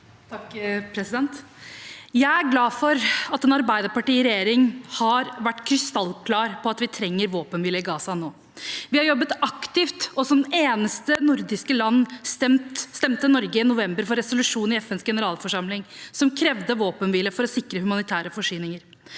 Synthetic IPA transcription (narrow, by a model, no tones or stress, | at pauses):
t̪ʰɑkpʰɾɛsɪd̪ɛnt̪ | jæɪæɾɡlɑːfɔɾɑt̪ɛnɑɾbæɪd̪əɾpɑʈiːɪɾɛjeːɾɪŋhɑɾʋæʈːkʰɾɪst̪ɑlkʰlɑːɾpʰɔɑt̪ʋɪt̪ʰɾɛŋːəɾʋoːpənʋɪləɪɡɑːsɑnoː | ʋɪhɑɾjɔbːət̪ɑkt̪ɪft̪ɔsɔmeːnəst̪ənʊɾd̪ɪskəlɑnːst̪ɛmt̪st̪ɛmt̪ənɔɾɡəɪnʊʋɛmbəɾfɔɾːɛsʊlʉʂuːnɪɛfɛnsɡɛnəɾɑːlfɔʂɑmlɪŋsɔmkʰɾɛʋd̪əʋoːpənʋɪləfɔɾɔsɪkɾəhʉmɑnɪt̪ʰæːɾəfɔʂyːnɪŋəɾ